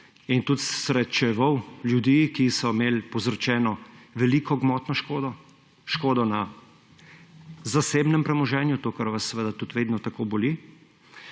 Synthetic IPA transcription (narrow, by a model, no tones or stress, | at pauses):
int̪ut̪sɾɛt̪t͡ʃɛʋɔwljud̪ikisɔmeːlpɔzɾɔt͡ʃɛːnɔʋɛliːkʰɔɡmɔːt̪nɔʃkod̪ɔ | ʃkoːd̪ɔna | zaseːbnɛmpɾɛmɔʒɛːnjut̪oːkɐɾʋasːɛʋed̪at̪ut̪ʋeːd̪nɔt̪akoboli